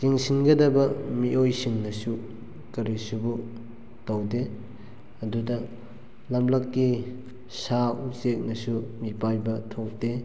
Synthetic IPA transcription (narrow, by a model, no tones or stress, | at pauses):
kiŋsinɡɐdɐbɐmiʔojsiŋnɐsu | kɐɾisubu | tɐwde | ɐdudɐ | lamlɐkːi | sausek̚nɐsumipajbɐtʰok̚de